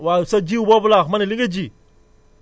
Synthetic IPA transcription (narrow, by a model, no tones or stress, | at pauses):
wasad͡ʒiwubabulaxmaniliŋɡed͡ʒi